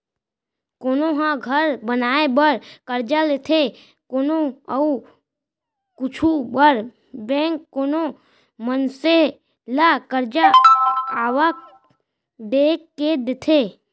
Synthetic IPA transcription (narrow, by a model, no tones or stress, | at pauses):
koːnoɦãɡʱəɾbənaːebəɾkəɾd͡ʒalet̪ʰe | koːnoəu | kʊt͡ʃʰubəɾ | bɛ̃ːŋkːoːno | mənse | lakəɾd͡ʒa | aːʋak̚ | d̪eːkːed̪ɪt̪ʰe